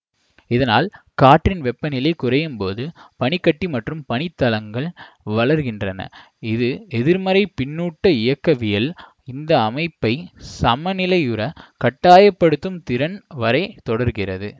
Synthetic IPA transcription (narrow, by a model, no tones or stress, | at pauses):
ɪðɐnaːl | kaːʈrɪnʋɛpːɐnɪlɐɪkʊrɐjɯmpoːðɯpɐɳɪkːɐʈːimɐʈrɯmpɐɳɪt̪ːɐlɐŋɡɐɭ | ʋɐɭɐɾɣɪndrɐnɐ̰ | ɪðɯɛðɪɾmɐɾɐɪpɪnːuːʈːɐɪjɐkːɐʋɪjɐl | ɪnd̪ɐːmɐɪpːɐɪsɐmɐnɪlɐɪjɯɾɐkɐʈːaːjɐpːɐɽɯt̪ːɯmt̪ɪɾɐnʋɐɾɐɪt̪ɔɽɐɾɣɪrɐ̰ðɯ